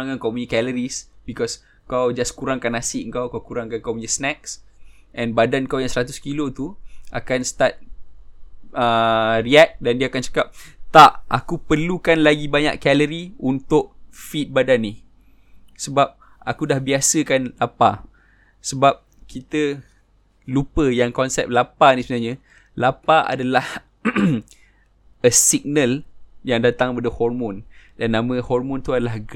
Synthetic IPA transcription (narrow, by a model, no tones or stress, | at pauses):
aŋankawpuɲəkɛləɾisbikɔs | kawd͡ʒaskuɾaŋkanasɪʔəŋkawkawkuɾaŋkankawpuɲəsnɛk̚s | ʔɛ̃nbadankawjaŋsəɾat̪ʊskilot̪ua̰kanst̪at̪̚ | əriɛk̚dandiəakant͡ʃḁkap̚t̪aʔʔa̰kupərlukanlaɡibaɲa̰ʔkɛləɾiunt̪ʊʔ̚fit̪̚badanːih | səbap̚ | akudahbiasəkanlapa | səbap̚ | kit̪ə | lupəjaŋkɔnsɛp̚lapanisəbənaɲa | lapaʔa̰dalah | əsiɡ̚nəljaŋdat̪aŋkəpadəhɔrmʊ̃ndanːãmə̃hɔrmʊ̃nt̪uadalah